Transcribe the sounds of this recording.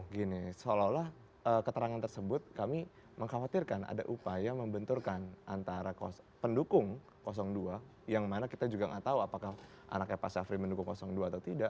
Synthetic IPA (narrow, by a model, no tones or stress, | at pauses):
ɡinisololah | əːkət̪əɾaŋant̪ərsəbʊt̪̚kami | məŋhawat̪irkanʔa̰da̰ʔupajaməmbənt̪ʊrkanʔant̪aɾakɔ̰s | pəndukʊŋ | kos̬ɔŋdua | jaŋmanakit̪ad͡ʒuɡaŋa̰ʔt̪auapakah | ʔa̰nakapasafɾiməndukʊŋkɔsɔŋduaːt̪aut̪idaʔ